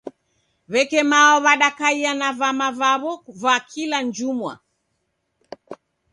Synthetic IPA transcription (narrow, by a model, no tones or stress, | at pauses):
βɛkɛmaɔβaɗakaianavamavaβɔvakʰiland͡ʒumwa̰